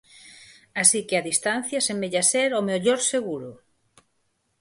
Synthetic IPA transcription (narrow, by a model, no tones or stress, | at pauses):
asikeaðist̪an̟θjasemeʎaseɾomeʎoɾseɣuɾʊ